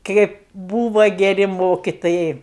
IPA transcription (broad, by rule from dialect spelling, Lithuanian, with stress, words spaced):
ˈkʲeːp ˈbuːʋɐ ɡʲɛˈrʲɪ ˈmoːkʲɪtoːjɛɪ